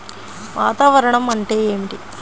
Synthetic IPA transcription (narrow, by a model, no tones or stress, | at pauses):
ʋaːt̪aːʋɐɾɐɳɐmɐɳʈeːeːmiʈi